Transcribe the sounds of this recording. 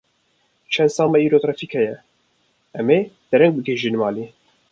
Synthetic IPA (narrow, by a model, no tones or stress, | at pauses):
t͡ʃʰɛnd̪sɑːmɛiːɾoːt̪ɾɑfikʰɛjɛ | ʔɛmeːd̪̥ɛɾɛŋɡ̚bɨɡeːʒiːnmɑːliː